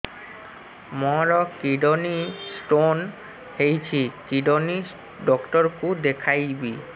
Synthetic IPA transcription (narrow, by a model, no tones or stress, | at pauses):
mɔɾɔkiɖonisʈon | hejt͡ɕʰikiɖoni | ɖɔkʈɔɾkud̪ekʰajbi